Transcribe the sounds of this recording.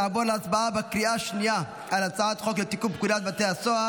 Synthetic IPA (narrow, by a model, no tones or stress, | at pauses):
aboleasbaabakʁiaʃnija | alat͡saat̪χoklet̪ikubkudat̪̚bat̪easoa